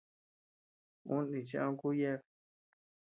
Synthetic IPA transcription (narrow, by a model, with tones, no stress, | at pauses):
ũ˦nĩ˨t͡ʃĩ˦ã˦ku˦je˦β